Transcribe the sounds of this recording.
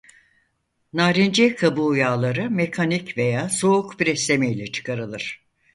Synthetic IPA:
naːɾind͡ʒɛkʰabujaːlˠaɾɯmekʰanicve̞jaːso̞ukbiɾɛslʲemɛjlʲɛt͡ʃʰɯ̥kʰaɾɯlˠɯɾ̥

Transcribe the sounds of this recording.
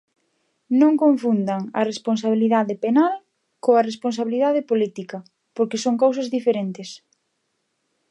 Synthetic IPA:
nõŋkõɱfund̪ɐŋɐ̰respons̬aβ̞iliðaðɪpenal | koɐresponsaβiliðaðɪpolit̪ikɐ | poɾkɪsoŋkawsɐzðifeɾent̪ɪs

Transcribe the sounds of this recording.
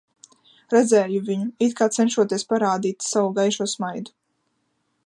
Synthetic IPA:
ɾɛd̪zɛːjuviɲuit̪kaːt̪sɛnʃuɔt̪iɛspaɾaːd̪iːt̪savuɡajʃuɔːsmajd̪u̥

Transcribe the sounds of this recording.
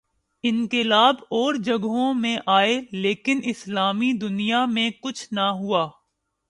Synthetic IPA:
ɪ̃ŋkɪlaːbɔːɾd͡ʒɐɡɦõmẽʔaːeleːkɪnɪslaːmid̪ʊnijamẽkʊt͡ʃʰnaɦuaː

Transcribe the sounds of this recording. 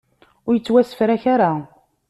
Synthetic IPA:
ʊɾjət͡sːwæsə̥fɾaçaɾa

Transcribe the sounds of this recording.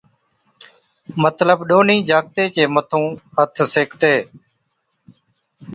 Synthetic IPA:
mət̪ləbɗoːniːd͡ʒaːk̚t̪eːt͡ʃeːmət̪ʰõːhət̪ʰseːkʰt̪eː

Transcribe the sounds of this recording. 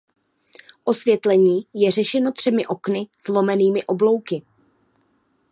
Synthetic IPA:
ʔo̞svjɛt̪lɛɲiːjɛr̝ɛʃɛno̞t̪r̝̥ɛmɪʔo̞knɪz̥lo̞mɛniːmɪʔo̞blo̞wkɪ

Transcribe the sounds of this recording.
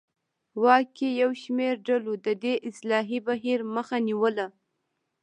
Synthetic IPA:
wɑkːejawʃmeɾɖalod̪əd̪eʔɪslɑɦibaɦiɾməxaniwəla

